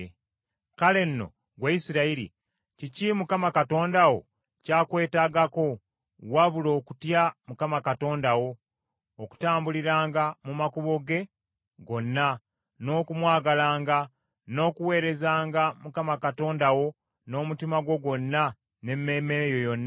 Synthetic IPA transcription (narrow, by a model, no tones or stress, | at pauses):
kale̞nːo̞̰ | ɡwaisiɾaiɾḭ | cicimukamakato̞ːndawo̞̰ | caːkwe̞ːtaːɡako̞ | waβulo̞ːku̥tjamukamakato̞ːndawo̞ː | ku̥taːmbuliɾaːŋɡamumakuβo̞ɡe̞ | ɡo̞nːa | no̞ːkumwaːɡalaːŋɡa | no̞ːkuwe̞ːɾe̞zaːŋɡamukamakato̞ːndawo̞ | no̞ːmutimaɡo̞ɡwo̞nːa | ne̞memejo̞jo̞nː